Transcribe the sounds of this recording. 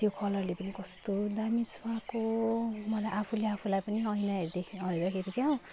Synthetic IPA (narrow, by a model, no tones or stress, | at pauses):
t̪jokʰʌlʌrlepʌnikʌst̪od̪amiswakomʌlajʔapʰuleapʰulajpʌniʌjnaɦeɾid̪ekʰiɦʌjd̪ʌkʰeɾikjaw̃